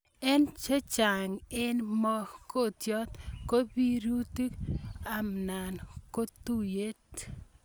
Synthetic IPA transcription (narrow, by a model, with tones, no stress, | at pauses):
ɛ˦nt͡ʃe˦t͡ʃa˨ŋɪ˦nmɔ˦ko˦˨tjɔ˦t̪ko˦pi˦ɾu˦ti˦ka˨mna˨nko˦tu˦˨je˦t